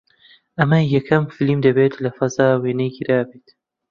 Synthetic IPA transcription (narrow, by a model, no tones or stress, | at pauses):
ʔɐmɐjɐkʰɐmfilimd̪ɐbeːt̪lɐfɐzaːweːnɐjɡiɾaːbeːt̪